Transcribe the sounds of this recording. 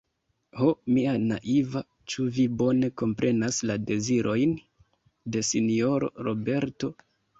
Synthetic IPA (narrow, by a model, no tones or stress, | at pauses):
homiana̰ʔiva | t͡ʃuvibo̞ne̞ko̞mpɾʔe̞naslade̞ziɾʔo̞jn | de̞sinio̞ɾo̰ɾo̞be̞ɾto̞